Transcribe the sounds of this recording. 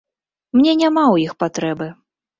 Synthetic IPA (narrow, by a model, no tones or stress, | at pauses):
mnʲɛnʲamawjixpat̪ɾɛbɨ